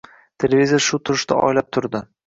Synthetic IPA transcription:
t̪ʰe̞lʲevʲizʲijaʃʊt̪ʰʊɾɪʃt̪a̰ʔɒ̰jlap̚t̪ʰʊɾd̪ɪ

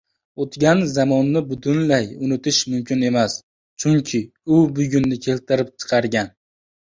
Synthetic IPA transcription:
ot̪ɡʲanzamɒnːɪbʊt̪ʰʊnlajʊnɪt̪ʰɪʃmʊmkʲʰɪne̞mas | t͡ʃʰʊŋkʲʰɪ | ʊbʊɡʲʊnːɪkʲʰe̞lt̪ʰɪɾɪp̚t͡ʃʰɨ̥qʰɑɾɡʲan

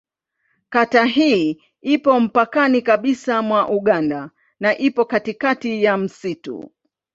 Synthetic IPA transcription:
kataɦiː | ipɔm̩pakanikaɓisamwaʔuɠanda | naʔipɔkatikatijam̩sitṵ

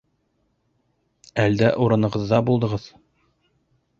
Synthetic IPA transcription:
æld̪æʔuɾɤ̆nɤ̆ʁɤ̆ðːɑbulˠd̪ɤ̆ʁɤð̥

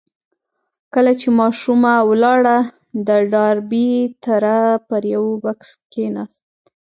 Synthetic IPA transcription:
kəlat͡ʃemɑʃumawlɑɽa | d̪əɖɑɾbit̪aɾapəɾjawbakskenɑ̰st̪̚

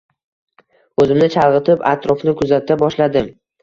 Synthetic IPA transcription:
ɵzɪmnɪt͡ʃʰalʁɨt̪ʰɪpa̰t̪ɾɒfnɪkʰʊzat̪ʰːabɒʃlad̪ɪm

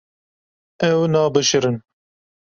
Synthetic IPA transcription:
ɛwnɑːbɨʃɨɾɨn

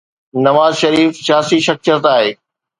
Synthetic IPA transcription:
nɐʋaːzʃɐɾiːfsjaːsiʃɐk̚sət̪aːɦeː

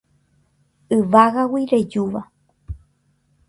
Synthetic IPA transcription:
ɨʋaɣawiɾed͡ʒuʋa

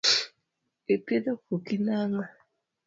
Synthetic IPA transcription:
epedokokinaŋa

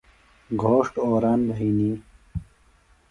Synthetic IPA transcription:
ɡʱoːʂʈoːɾaːnbɦiːni

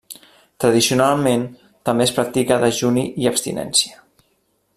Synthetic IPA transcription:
t̪ɾəð̞isiunalˠmen | t̪əmbespɾak̚t̪ikəðəʒuniʔiəpst̪ḭnɛ̰nsiə

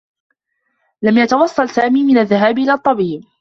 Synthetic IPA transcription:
lamjat̪ɑwɑsˤːɑlsaːmiːmɪnaðːaɦaːbʔɪlaːt̪ˤːɑbiːb

